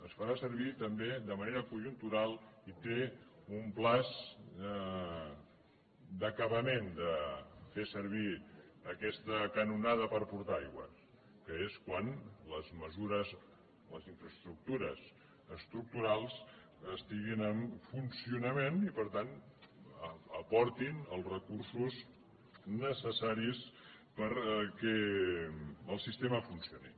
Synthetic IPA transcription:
əsfəɾasəɾβ̞it̪əmbeðəməneɾəkuʒunt̪uɾalˠit̪eumplaz | d̪əkəβəmend̪əfesəɾβ̞iː | kɛst̪əkənunaðəpəɾpuɾt̪aajɣwə̰s | kəeskwanləzməzuɾəz | ləziɱfɾəst̪ɾuk̚t̪uɾəs | əst̪ɾuk̚t̪uɾalˠs | əst̪iɣinəmfunsiunəmenipəɾt̪an | əpɔɾt̪inəlˠzrəkuɾsuz | nəsəsaɾis | pəɾkɛ | əlˠsist̪eməfunsionḭ

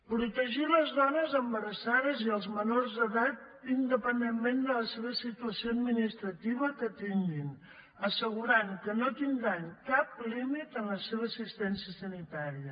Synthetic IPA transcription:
pɾut̪əʒiləzðɔnəzəmbəɾəsaðəziəlˠzmənorzðəðat̪̚ | ind̪əpənd̪emmend̪ələseβ̞əsit̪uəsioəd̪minist̪ɾət̪iβəkət̪iŋɡin | əsəɣuɾaŋkənot̪ind̪ɾaŋkap̚limit̪ənləseβ̞əːsist̪ɛnsiəsənit̪aɾiə

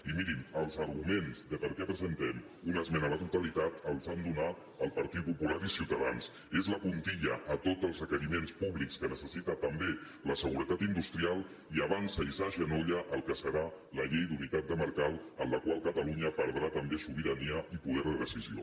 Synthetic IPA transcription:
imiɾiməlˠzəɾɣumenzðəpəɾkɛpɾəzənt̪ɛm | unəzmɛnəðət̪ut̪əlit̪at̪əlˠzand̪unat̪̚ | əlˠpəɾt̪it̪̚pupulaɾisiwt̪əð̞a̰ns | ezləpunt̪iʎəʔːt̪odd͡zəlˠzrəkəɾimenspuβlikskənəsəsit̪ət̪əmbe | ləsəɣ̞uɾət̪at̪ind̪ust̪ɾialˠ | iəβansəisaʒənoʎəʔəlˠkəsəɾa | ləʎejd̪unit̪at̪̚d̪əməɾkalˠənləkwalˠkət̪əluɲəpəɾðɾat̪əmbesuβiɾəniəipuðɛɾð̞əðəsizio̰

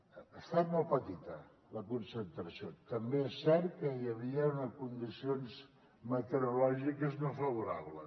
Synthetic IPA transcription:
əst̪at̪̚molˠpət̪it̪ə | ləkunsənt̪ɾəsiot̪əmbeesːɛɾkəjəβ̞iəunəkund̪isionz | mət̪əɾulɔʒikəzmofəβ̞uɾa̰βlə̰

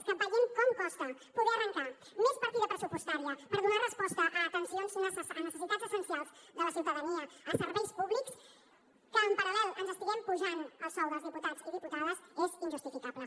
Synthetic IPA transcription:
kampaʎeŋkɔmkɔst̪ɐpuðeərəŋka | mespəɾt̪iðəpɾəsupust̪aɾiɐpəɾðunarəspɔst̪əʔːt̪ənsionznsənəsəsit̪ad̪zəsənsialˠzðələsiuwt̪əðəniɐəsəɾβejspuβliks | kəːmpɐɾɐlɛlˠənzəst̪iɣɛmpuʒanəlsawðəlˠzðiput̪az̥iðiput̪aðəzezinʒust̪ifikaβlə

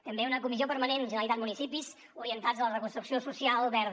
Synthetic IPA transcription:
t̪əmbeunəkumiziopəɾmənenʒənəlit̪at̪munisipis | uɾiənt̪ad͡zələrəkunst̪ɾuksiosusialˠβɛɾð

